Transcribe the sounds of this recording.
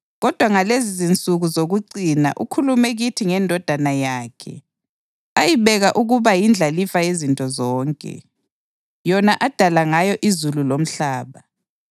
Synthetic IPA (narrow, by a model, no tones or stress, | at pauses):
ɣɔd̥ʱwaŋalezizint͡sʼuɣuzoɣuǀina̰ʔṵkʰulumɛɣitʰiŋɛndʱɔd̥ʱanajaːkʰɛ̰ | ajiβɛɣaʔuɣuβajind͡ɮʱalifajezintʼɔzɔːŋkʼɛ̰ | jɔnaʔad̥ʱalaŋajɔʔizululom̩ɬaːβa